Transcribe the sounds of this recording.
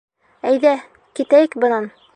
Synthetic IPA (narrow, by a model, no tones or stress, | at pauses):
æjðæ | kit̪æjɘkbɤ̆nɑn